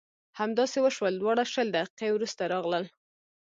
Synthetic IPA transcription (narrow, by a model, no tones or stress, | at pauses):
hamd̪ɑsewəʃwəld̪wɑɽaʃəld̪aqi̥qewɾust̪aɾɑɣləl